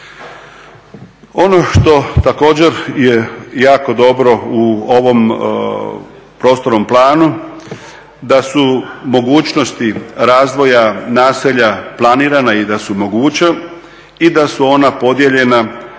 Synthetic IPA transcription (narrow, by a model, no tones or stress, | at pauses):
o̞no̞ʃt̪o̞t̪ako̞ːd͡ʑe̞ɾjejaːko̞d̪o̞bɾo̞uoʋo̞m | pɾo̞ːst̪o̞ɾnomplˠaːnu | d̪asumo̞ɡuːt͡ɕno̞st̪iɾaːzd̪ʋo̞janaːseʎaplˠaniːɾanaid̪asumo̞ɡuːt͡ɕa | id̪asuo̞napo̞d̪jeʎe̞na